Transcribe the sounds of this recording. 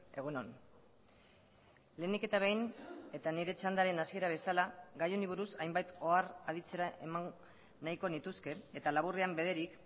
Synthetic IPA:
e̞ɣ̞onon | le̞ːnike̞t̪aβejne̞t̪aniɾe̞t͡ʃand̪aɾe̞nasie̞ɾaβ̞e̞salaɣajoniβ̞uɾusajmbajt̪o̞arað̞it͡se̞ɾaʔe̞maŋ | naiko̞nit̪uske̞et̪alaβureambe̞ð̞e̞ɾik

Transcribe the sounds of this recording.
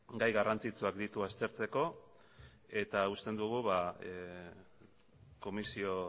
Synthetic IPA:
ɡajɣarant͡sit͡suakd̪it̪uast̪e̞ɾt͡se̞ko̞ | e̞t̪aust̪e̞nd̪uɣ̞uβa | ko̞misio̞

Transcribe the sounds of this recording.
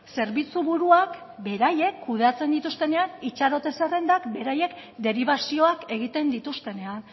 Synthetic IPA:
se̞ɾβit͡suβuɾuak | be̞ɾaje̞kʰːuð̞eat͡se̞nd̪it̪ust̪e̞ne̞anit͡ʃaɾo̞t̪e̞sere̞nd̪akbe̞ɾaje̞kd̪e̞ɾiβasio̞ake̞ɣ̞it̪e̞nd̪it̪ust̪e̞ne̞an

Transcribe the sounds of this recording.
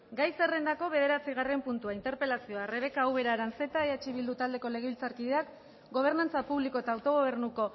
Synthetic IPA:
ɡajse̞re̞nd̪ako̞βe̞ð̞e̞ɾat͡siɣ̞are̞mpunt̪uaint̪e̞ɾpe̞lasio̞are̞βe̞kaːwβe̞ɾaɾanse̞t̪aeat͡ʃiβild̪ut̪ald̪e̞ko̞le̞ɣ̞eilt͡saɾkiðe̞ak | ɡo̞β̞e̞ɾnant͡sapuβlikoe̞t̪aːwt̪o̞ɣ̞o̞β̞e̞ɾnuko̞

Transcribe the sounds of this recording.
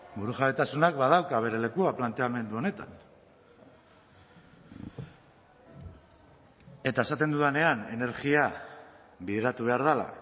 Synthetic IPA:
buɾuʝaβet̪asunakbað̞awkaβ̞e̞ɾe̞le̞kuaplant̪e̞ame̞nd̪uo̞ne̞t̪a̰n | e̞t̪ae̞sat̪e̞nd̪uðane̞ane̞ne̞ɾɣia | biðeɾat̪uβ̞e̞aɾð̞ala̰

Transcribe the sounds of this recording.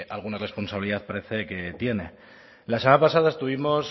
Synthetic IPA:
alɣ̞unare̞spo̞nsaβiliðaθpaɾe̞θe̞ke̞t̪je̞ne̞ | lasemanapasaðaest̪uβ̞imo̞s

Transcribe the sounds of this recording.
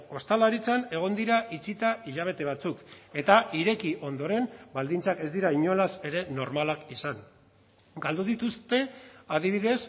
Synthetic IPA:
o̞st̪alaɾit͡sane̞ɣ̞o̞nd̪iɾaʔit͡sit̪aiʎaβ̞e̞t̪eβ̞at͡suke̞t̪aʔiɾe̞kiʔo̞nd̪o̞ɾe̞nbald̪int͡sake̞zd̪iɾaiɲo̞lase̞ɾe̞no̞ɾmalakisaŋ | ɡald̪uðit̪ust̪e̞aðiβ̞iðe̞s

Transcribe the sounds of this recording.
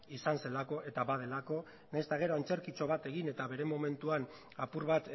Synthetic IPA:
isanse̞lako̞ʔe̞t̪aβaðe̞lako̞ | najst̪aɣ̞e̞ɾoent͡se̞ɾkit͡so̞β̞at̪e̞ɣ̞ine̞t̪aβe̞ɾe̞mo̞me̞nt̪uan | apuɾβat̪

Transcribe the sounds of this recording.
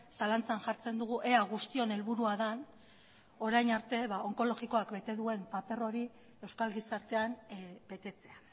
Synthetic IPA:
salant͡sanʝaɾt͡se̞nd̪uɣuʔe̞aɣust̪io̞ne̞lβuɾuaðan | o̞ɾajnaɾt̪e̞βao̞ŋko̞lo̞ɣiko̞akbe̞t̪e̞ðue̞mpape̞ro̞ɾi | e̞wskalɣisaɾt̪e̞anbe̞t̪e̞t͡se̞a

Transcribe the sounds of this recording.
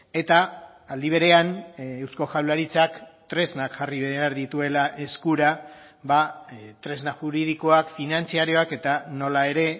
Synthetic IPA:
e̞t̪aː | ld̪iβ̞e̞ɾe̞anewsko̞ʝawlaɾit͡sakt̪ɾe̞znakʝariβeaɾðit̪ue̞laʔe̞skuɾa | βat̪ɾe̞znaʝuɾið̞iko̞akfinant͡siaɾio̞ake̞t̪ano̞lae̞ɾe̞

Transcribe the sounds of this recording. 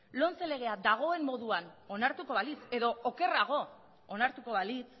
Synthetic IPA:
lo̞nt͡sele̞ɣ̞e̞ad̪aɣ̞o̞e̞mːo̞ðuano̞naɾt̪uko̞βalise̞ðo̞ʔoke̞raɣ̞o̞ | onaɾt̪uko̞βalit͡s

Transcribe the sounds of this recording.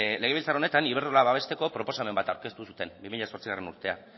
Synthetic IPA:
leɣe̞βilt͡saɾone̞t̪aniβeɾtolaβaβ̞e̞st̪e̞ko̞pɾo̞po̞same̞mbat̪awɾke̞st̪usut̪e̞mbimiʎaso̞ɾt͡siɣare̞nuɾt̪e̞a̰

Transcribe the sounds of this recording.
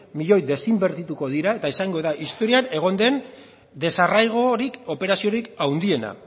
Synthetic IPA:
miʎo̞jðe̞simbe̞ɾt̪it̪uko̞ðiɾae̞t̪aesaŋɡo̞ðaʔist̪o̞ɾiane̞ɣ̞o̞nd̪e̞n | d̪e̞sarajɣ̞o̞ɾiko̞pe̞ɾasio̞ɾikawnd̪ie̞na̰

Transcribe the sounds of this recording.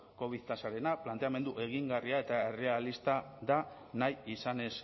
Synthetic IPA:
ko̞βiðt̪asaɾe̞naplant̪e̞ame̞nd̪uʔe̞ɣ̞iŋɡariae̞t̪ae̞re̞alist̪aða | najisane̞s

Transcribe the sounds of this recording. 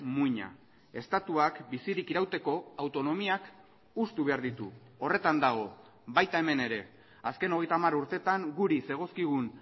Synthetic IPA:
muiɲa̰ | e̞st̪at̪uakbisiɾikiɾawt̪e̞ko̞awt̪o̞no̞miak | ust̪uβe̞aɾðit̪ṵ | o̞re̞t̪and̪aɣ̞o̞ | bajt̪ae̞me̞ne̞ɾe̞ | aske̞no̞ɣ̞e̞jt̪aːmaɾuɾt̪e̞t̪aŋɡuɾise̞ɣ̞o̞skiɣ̞un

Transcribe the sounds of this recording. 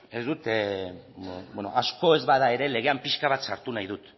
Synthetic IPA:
e̞zd̪ut̪ | beno̞̰ʔasko̞e̞zβaðae̞ɾe̞le̞ɣ̞e̞ampiʃkaβat̪saɾt̪unajðut̪

